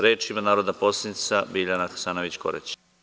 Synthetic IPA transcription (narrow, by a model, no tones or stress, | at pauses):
ɾeːt͡ʃimanaːɾod̪naposlinisabiʎanaxḁsaːnoʋit͡ɕko̰ɾɛ̰t͡ɕ